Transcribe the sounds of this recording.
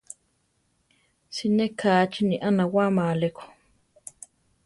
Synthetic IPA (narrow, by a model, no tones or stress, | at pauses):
sinekʰaːt͡ʃinĩʔanãwamãːlekʰo̥